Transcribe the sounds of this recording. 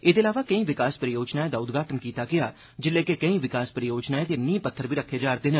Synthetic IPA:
ed̪eːlaːʋaːkəĩːʋɪkaːspəɾəjoːd͡ʒnaːeːd̪aːʊd̪ɡaːʈənkiːt̪aːɡɪaː | d͡ʒɪlːeːkekəĩːʋɪkaːspɾəjoːd͡ʒnaːeːd̪eːnĩːpət̪ʰːəɾbʱiːɾəkʰːeːd͡ʒaːɾd̪eːnə

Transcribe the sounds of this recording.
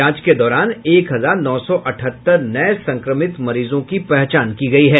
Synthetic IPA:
ãːt͡ʃked̪ɔːɾaːneːkɦɐzaːɾnɔːsɔʔɐʈʰət̪ːəɾnɐesɐ̃ŋkɾəmɪt̪mɐɾiːzõkipɛɦt͡ʃaːnkiɡɐiɦɛː

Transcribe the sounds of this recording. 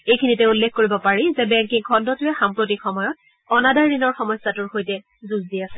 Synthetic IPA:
ejkʰinitɛulːekʰkoɹibɔpaɹizɛbɛŋkiŋkʰɔndɔtʊjɛxampɹot̬ixɔmɔjɔt̚ | ɔnadajɹinɔɹxɔmɔjsatʊɹxojtɛ | zuzdiasɛ

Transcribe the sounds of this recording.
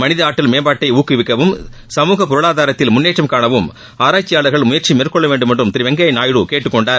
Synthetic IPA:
mɐnɪðɐaːʈːɪlmeːbaːʈːɐɪuːkːɯʋɪkːɐʋɯm | sɐmuːɣɐpʊɾɯɭaːðaːɾɐt̪ːɪlmʊnːeːʈrɐmkaːɳɐʋɯm | aːɾaːt͡ʃːɪjaːɭɐɾɣɐɭmʊjɐɾt͡ʃimeːrkɔɭːɐʋeːɳɖɯmɛɳdrɯmt̪ɪɾɪʋɐŋɡɐɐɪnaːjɽukeːʈːɯkːɔɳɖaːɾ

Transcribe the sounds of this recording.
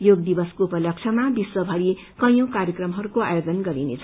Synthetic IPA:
joɡ̚d̪ibʌskoupʌlʌk̚t͡sʰʌmabiswʌbʱʌɾi | kʌj̃õkaɾjʌkrʌmɦʌɾukoa̰jod͡zʌnɡʌɾinḛt͡sʰ

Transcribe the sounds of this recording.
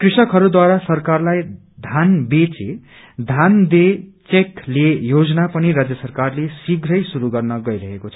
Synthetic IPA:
krisʌkɦʌɾud̪waɾasʌrkarlaj | d̪ʱanbet͡se | d̪ʱand̪et͡seklejod͡znapʌniɾad͡zjʌsʌrkarlesiɡʱɾʌjsuɾuɡʌrnʌɡʌjɾʌɦekot͡sʰʌ

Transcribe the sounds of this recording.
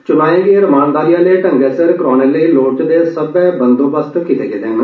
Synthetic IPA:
t͡ʃʊnaːẽːɡeːɾəmaːnd̪aːɾijaːleːʈəŋɡeːsəɾkɾɔːneːləiːloːʈd̪eːsəbɛːbənd̪oːbəst̪kɪt̪ḛːɡeːd̪eːnː

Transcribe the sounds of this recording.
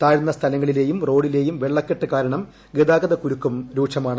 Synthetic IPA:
t̪aːɻnːɐst̪ʰɐlɐŋːɐɭile̞ːjumro̞ːɽile̞ːjumʋeɭːɐkːeʈːɨkaːɾɐɳɐm | ɡed̪aːɡɐðɐkuɾukːumɾuːʂɐmaːɳɨ

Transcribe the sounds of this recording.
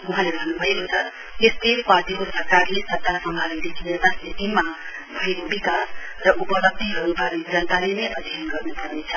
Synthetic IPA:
uɦãlebʱʌnːubʱʌekot͡sʰʌ | est̪eparʈikosʌrkarlesʌrkarsʌmbʱalid̪ekʰinet̪asnit̪ima | bʱʌekobikas | rʌʔupʌlʌb̚d̪ʱiɦʌɾubʌrnid͡zʌnt̪alenʌjʔʌd̪ʱjʌnɡʌrnupʌrnet͡sʰʌ̥

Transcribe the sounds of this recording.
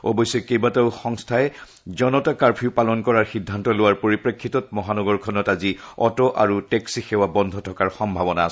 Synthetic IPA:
ɔ̰bɔjsɛkejbataʊxɔŋstʰaɛ | zɔnɔtakaɹpʰiʊpalɔnkɔɹaɹxidʱːantɔlʊwaɹpoɹipɹekʰːitɔtmɔɦanɔɡɔɹkʰɔnɔtaziɔ̰tɔʔa̰ɹuteksixɛwabɔndʱɔtʰɔkaɹxɔmbʱabɔnaːs

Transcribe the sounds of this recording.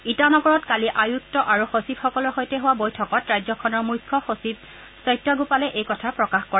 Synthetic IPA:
itanɔɡɔɹɔtkaliʔajuk̚tɔʔaɹuxosibxɔkɔlɔɹxojtɛɦʊwabojtʰɔkɔtɹajzɔkʰɔnɔɹmujkʰːɔxosib̚ | sɔjtaɡupalɛʔejkɔtʰapɹɔkaxkɔɹa

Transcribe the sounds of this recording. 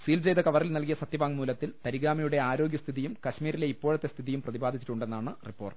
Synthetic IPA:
siːld͡ʑejðɐkɐʋɐrilnɐlkijɐsɐt̪jɐʋaːŋmuːlɐt̪ːilt̪ɐɾiɣaːmɐjuɽe̞aːɾo̞ːɡjɐst̪ʰiðijumkɐɕmiːɾile̞ipːo̞ːɻɐt̪ːe̞st̪ʰiðijumprɐðibaːd̪ʱit͡ɕːiʈːuɳɖe̞nːaːɳɨripːo̞ːrʈ

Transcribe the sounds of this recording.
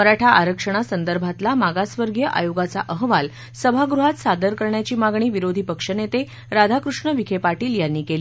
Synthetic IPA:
əɾaʈʰaʔaɾəkʂəɽ̃asənd̪əɾbʱat̪lamaɡasʋəɾɡjəʔa̰joɡat͡sa̰ʔəɦʋal | səbʱaɡɾuɦat̪sad̪əɾkəɾɳjat͡ɕiːmaɡɳ̃iːʋiɾod̪ʱiːpəkʂənet̪e | ɾad̪ʱakɾuʂɳəʋikʰepaʈiːljanːiːkeli

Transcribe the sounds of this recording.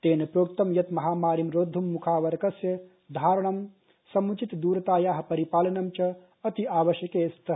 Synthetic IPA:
t̪eːnɐpɾoːkt̪ɐmjɐt̪mɐɦaːmaːɾimɾoːd̪ʱːumːukʰaːʋɐɾɐkɐsjɐ | d̪ʱaːɾɐɳ̃ɐm | sɐmut͡ʃit̪d̪uːɾɐt̪aːjaːɦɐ̆pɐɾipaːlɐnɐmt͡ʃɐ | ɐt̪iaːʋɐʃjɐkeːst̪ʰɐ

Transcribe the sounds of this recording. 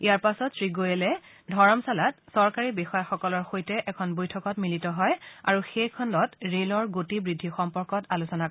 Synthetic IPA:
ijaɹpasɔtsɹiɡojɛlɛ | dʱɔɹɔmsalat̚sɔɹkaɹibixɔjaxɔkɔlɔɹxojtɛʔɛkʰɔnbojtʰɔkɔtmilitɔɦɔja̰ɹuxejkʰɔnlɔtɹelɔɹɡotibɹidʱːixɔmpɔɹkɔtalusɔna

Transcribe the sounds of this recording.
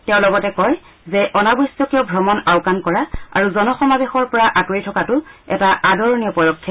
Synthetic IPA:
tɛʊ̃lɔɡɔtɛkɔj | zɛʔɔnabɔsɔkijɔbʱɔmɔnawkankɔɹaa̰ɹuzɔnɔxɔmabexɔɹpɔɹaʔakoɹitʰɔkatʊɛ̰taʔadɔɹɔnijɔpɔdɔkʰːɔ

